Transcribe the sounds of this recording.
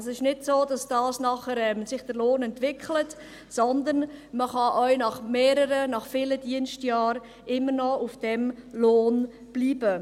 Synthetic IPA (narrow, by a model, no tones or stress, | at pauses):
sɪʃnɪdsoːd̥ɑsd̥ɑːsnɑχəɾɛmsɪχd̥əɾloːnɛntʋɪkχlət | sɔnd̪ənməχɑʔœʏnɑχmeːɾəɾənɑχfɪləd̥iənstjɑːɾ | ʔɪmːəɾnɔufd̥ɛmloːn | b̥liːbə